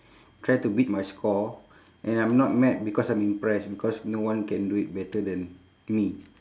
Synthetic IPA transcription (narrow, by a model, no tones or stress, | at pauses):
tɹajtubit̚majskɔ | ʔɛ̃nãjmnɔt̚mɛt̚bikɔsãj̃mĩmpɹɛsbikɔsnowãnkɛ̃nduit̚bɛtədɛ̃n | mi